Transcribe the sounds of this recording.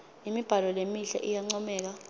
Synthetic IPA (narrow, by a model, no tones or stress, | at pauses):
imib̥ʱalɔlemiɬa̰ʔijaŋ͡ǀɔmɛːk̬a